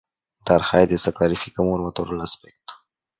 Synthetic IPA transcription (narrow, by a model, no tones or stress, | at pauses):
d̪aɾhajd̪esakɑɾifikamuɾmat̪oɾalaspɛk̚t̪